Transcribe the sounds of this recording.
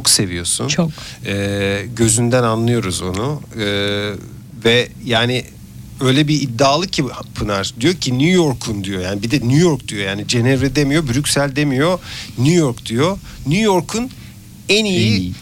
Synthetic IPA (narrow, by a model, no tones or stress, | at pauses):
t͡ʃʰokse̞vijo̞sṵnoɛːɟø̞zynd̪ænanlˠɯjo̞ɾuzo̞̰nuɯː | vɛjaːnɪ | ø̞jlʲɛbiːd̪ːaːlˠɯcʰipʰɯnaɾd̪ijo̞cʰinujo̞ɾkʰund̪ijo̞jaːnibid̪ɛnujo̞ɾk̚d̪̥ijo̞jaːnid͡ʒenɛvɾɛd̪emijo̞byɾycʲsælʲd̪emijo̞nujo̞ɾkd̪̥ijo̞ | nujo̞ɾkʰun | ɛniji